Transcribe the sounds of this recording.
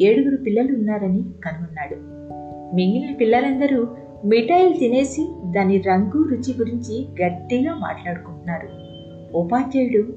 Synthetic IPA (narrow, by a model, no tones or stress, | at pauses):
eːɽuɡuɾupilːɐluunːaːɾɐnikɐnuʋunːaːɽu | miŋɡilɐpilːɐlɐnd̪ɐɾu | miʈɐjlt̪ine̞ːsid̪aːniɾɐŋɡuːɾut͡ʃiɡuɾiɲt͡ʃiɡɐʈːiɡaːma̰ːʈlaːɽukuɳʈunːaːɾu | upaːt͡ʃeːjɽu